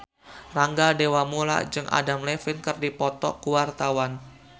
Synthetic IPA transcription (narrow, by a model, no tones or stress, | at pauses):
raŋɡadewamula̰d͡ʒɨŋʔa̰damlefɪnkɨrdipɔt̪ɔkuwart̪awan